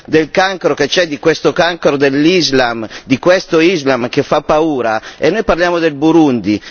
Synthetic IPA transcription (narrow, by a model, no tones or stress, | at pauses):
d̪elkaŋkɾoket͡ʃɛd̪ikwest̪okaŋkoɾod̪elːizlamd̪ikwest̪oizlamkefːapːauːɾaenːojparljaːmod̪elbuɾund̪i